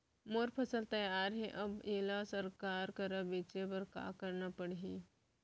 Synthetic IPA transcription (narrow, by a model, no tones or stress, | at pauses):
moɾpʰɐsəlt̪ɐjaːɾɦɛʔɐbeːlasəɾkaːɾkɐɾabiːt͡ʃepɐɾka̰ːkəɾnapəɽɦiː